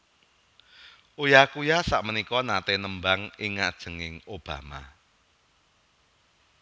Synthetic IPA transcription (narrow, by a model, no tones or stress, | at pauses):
ʔojakujasa̰ʔmənikɔnat̪enəmbaŋɪŋːad̥ʒ̥ə̤ŋɪŋob̥a̤ma̰